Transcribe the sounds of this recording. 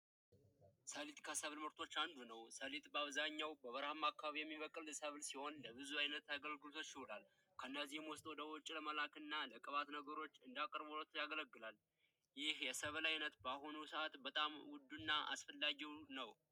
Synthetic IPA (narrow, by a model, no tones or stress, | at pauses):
səlit̪ʼkʰasəβlməɾt̪ʰo̞t͡ʃːand̪unəwsəlit̪ʼbəaβzaɲːawbəβəɾhamakːaβaβijɛmːiβəkʼɨlsəβlsiho̞nləβɨzuajnət̪aɡəlɡɨlot̪ʰəsɪholal | kʰənːəzihɛmwɔst̪ʼwɔd̪əwɔt͡ʃʼːiləməlakɨnːaləkʼəβat̪nəɡəɾo̞t͡ʃːɨnd̪akʼəɾbolot̪ʰjaɡələɡːɨlal | jɪhjɛsəβlajnət̪bahonusəat̪bət̪ʼamwʊd̪ːunːaʔa̰sfəlːaɡiwnəw